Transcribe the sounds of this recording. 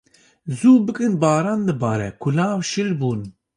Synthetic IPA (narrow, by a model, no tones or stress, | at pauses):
zuːbɨkɨnbɑːɾɑnd̪ɨbɑːɾɛkʰulaːwʃɨlbun